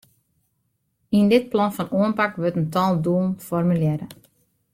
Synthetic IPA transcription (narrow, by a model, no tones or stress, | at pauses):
indɪt̚plɔnfɔnuənpakʋøtəntɔlˠduənfɔrmyljɛɾə